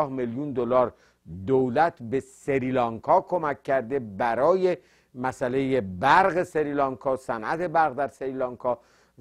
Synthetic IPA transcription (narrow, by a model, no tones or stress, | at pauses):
hmeljund̪olɒːɾ | d̪owlæt̪ʰbe̞seɾilɒːŋkʰɒːkʰo̞mækːæɾd̪e̞bæɾɒːje̞ | mæsæle̞jebæɾɣese̞ɾiːlɒːŋkʰɒːsænʔæt̪ʰe̞bæɾɣd̪æɾseɾilɒːŋkʰɒː